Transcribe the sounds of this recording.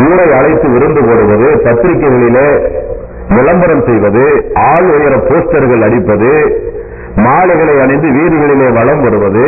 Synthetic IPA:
kuːɽɐɪɐɭɐɪt̪ːɯʋɪɾɯnd̪ɯpoːɽɯʋɐðɯpɐt̪ːɪɾɪkːɐɪɣɐɭɪleː | mɪlɐmbɐɾɐmsɛjʋɐðɯaːɭɔjɐɾɐpːoːsʈɐɾɣɐɭɐɽɪpːɐðɯ | maːɭɐɪɣɐɭɐɪɐɳɐɪnd̪ɯʋiːɾɯɣɐɭɪleːʋɐɭɐmʋɐɾɯʋɐðɯ

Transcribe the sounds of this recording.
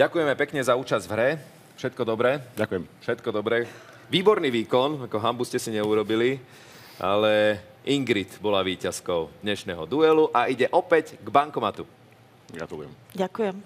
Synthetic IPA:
ɟakujɛmɛpɛkɲɛzauːt͡ʃazvɦɾɛ | fʃɛt̪̚kɔd̪ɔbɾɛːakɛmfʃɛt̪kɔd̪ɔbɾɛ | ʋiːbɔɾniːʋiːkɔnakɔɦambuscɛsiɲɛuɾɔbili | ʔa̰lɛ | iŋɡɾit̪bɔlaʋiːcaskɔʊd̪̥ɲɛʃnɛɦɔ̰d̪uɛluʔaiɟɛʔɔpɛɟɡbaŋkɔmat̪u | ɡɾa̰t̪ulujɛ̰m | ɟakujɛm

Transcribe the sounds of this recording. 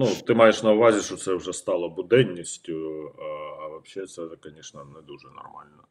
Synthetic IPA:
nut̪ːɪmɑjɛʂnɐʊʋɑzʲiʃɔt̪sɛwʐɛst̪ɑlˠɐbʊd̪ɛnʲːisʲtʲʊ | ɐʋɐpɕɛt̪sɛkɐnʲiʂnɐnɛd̪uʐɛnɐ̰rmɑ̰lʲnɐ

